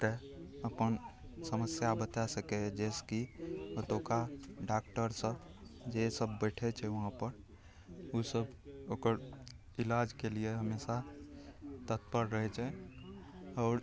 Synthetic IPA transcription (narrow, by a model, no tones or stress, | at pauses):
t̪e | əpənsəməsjabət̪asəkɛd͡ʒeskibət̪okaɖak̚ʈəɾsə̃d͡ʒesəbːɛʈʰɛt͡ʃʰɛʋəɦãpəɾ | usəbokəɾ | ilad͡ʒkelieɦəmesa | t̪ət̪̚pəɾɾəɦɛt͡ʃʰɛ | ɔʊɾ